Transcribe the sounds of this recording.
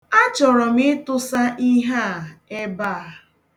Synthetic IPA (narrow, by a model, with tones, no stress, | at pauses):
a˦t͡ʃɔ˨ɾɔ˨mɪ˦tʊ˦sa˦ʔi˦ɦa˦˨e˦ba˦˨a˨